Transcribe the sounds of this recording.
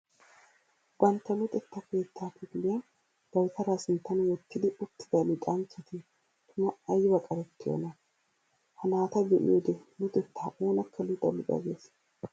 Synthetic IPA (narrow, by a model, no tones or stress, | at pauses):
bɐnt̪ːɐlʊt̪ʼɛt̪ːɐke̞ːt̪ːaːpɪɡlɪjɐn | b̪̥ɐwt̪ɐɾaːsɪnt̪ːɐnwɔt̪ːɪd̪ɪʊt̪ːɪd̪ɐlɪt̪ʼɐnt͡ʃːɛt̪ɪ | t̪ʰʊnɐɐjːɪwɐkʼɐɾɛt̪ːɪjo̰nɐ | hɐnaːt̪ɐɡɛʔɪ̰jod̪ɛlʊt̪ʼɛt̪ʰːaːʔoːnɐkːɐlɪt̪ʼːɐ̰lɪt̪ʼɐ̰ɡeːs